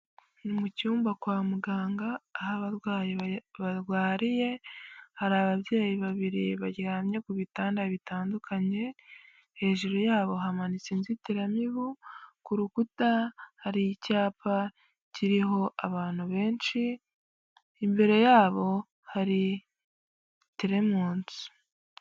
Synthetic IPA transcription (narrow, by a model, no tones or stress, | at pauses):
nimucuːmbakwaːmuɡaːŋɡaːɦaβaɾwaːjeβaɾwaːɾije̞haɾaːβaβjeːjiβaβiɾiβaɟiamɲe̞kuβitaːndaiβitaːndukʰaɲe̞ | he̞ːʒuɾojaːβo̞ɦamanit͡senziteɾamiβukuɾukutahaɾijicaːpa | ciɾiɦo̞ʔaβaːn̥huβe̞ːnʃi | mbe̞ɾe̞jaːβo̞ | haɾi | teɾe̞muːnt͡siu̥